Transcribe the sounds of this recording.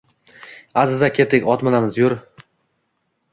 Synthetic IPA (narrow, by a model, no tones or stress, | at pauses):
azɪzakʲʰe̞t̪ʰɪkʲɒt̪mɪlamɪzjʊɾ